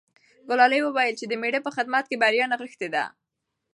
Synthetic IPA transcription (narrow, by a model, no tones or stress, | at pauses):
ɡʊlɑlejwəwajəlt͡ʃed̪əmeɖəpəxɪd̪mat̪̚kebaɾjɑnaɣəxt̪ed̪a̰